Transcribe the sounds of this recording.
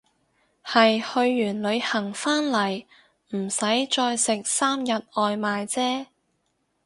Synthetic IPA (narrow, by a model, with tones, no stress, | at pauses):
hɐ˨jhɵ˧ɥːyː˨˩nlɵ˨˧ɥhɐ˨˩ŋfaː˥nlɐ˨˩j | m̩˨˩sɐ˨˥jt͡ʃɔː˧jsɪ˨k̚saː˥mjɐ˨t̚ʔɔː˨˧jmaː˨jt͡sɛː˥